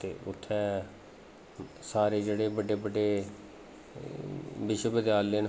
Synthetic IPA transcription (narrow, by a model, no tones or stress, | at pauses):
t̪ḛːʊ̰t̪ʰːɛː | saːɾeːd͡ʒeːɽeːbəɖeːbəɖeː | ʋɪʃwəbəd̪jaːlːen